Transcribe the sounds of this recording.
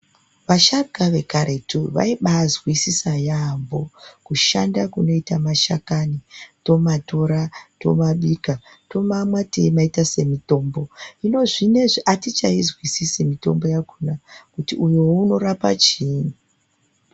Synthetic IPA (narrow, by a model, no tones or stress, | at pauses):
ʋaʃaɡaʋe̞kaɾe̞tʰuʋa̰iɓazwisisajambo̞kuʃandakuno̞itamaʃakanito̞mato̞ɾato̞maɓika | to̞mamwatḛmaitase̞mito̞ːmbo̞ino̞ʐine̞ʐiʔatit͡ʃaizwisisemito̞mbo̞jakunakutiʔujouno̞ɾapa̰t͡ʃiːnu